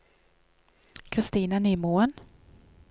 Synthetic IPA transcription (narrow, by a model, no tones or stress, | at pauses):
kʰɾɪst̪iːnanyːmuːən